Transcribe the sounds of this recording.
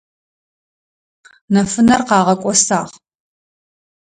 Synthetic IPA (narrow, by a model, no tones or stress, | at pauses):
nɐfɨnɐrqɑːʁɐkʷʼɔsaːʁ